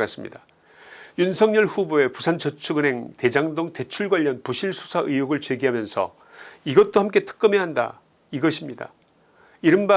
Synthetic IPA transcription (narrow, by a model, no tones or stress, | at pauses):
kas͈ɯmɲḭda | junsʰʌŋɲʌɭɸuboe̞pusʰant͡ɕʌt͡ɕʰuɡɯne̞ŋte̞d͡ʑaŋdoŋte̞t͡ɕʰuɭɡwaʎːʌnpuɕʰiɭsʰu̥sʰaʔɯjuɡɯɭt͡ɕwe̞ɡiɦamjʌnsʰʌ̰ | iɡʌt̚t͈ohamk̬͈e̞tʰɯ̥k͈ɯme̞ɦanda̰ | iɡʌɕʰimɲida̰ | iɾɯnba